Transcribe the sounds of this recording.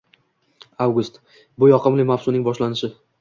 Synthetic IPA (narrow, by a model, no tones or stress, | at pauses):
awɡʊst̪ | bʊjɒqʰɨmlɪmafsʊnɪŋbɒʃlanɪʃɪ